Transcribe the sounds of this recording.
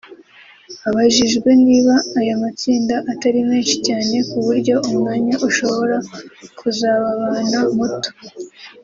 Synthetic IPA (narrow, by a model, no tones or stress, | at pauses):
aβaʒiʒɡwe̞niːβaːjamat͡siːndaʔataɾime̞ːnʃicaːne̞kuβuɾɟo̞ʔumŋaːɲaʔuʃo̞βo̞ɾakʰuzaːβaβanamuto̥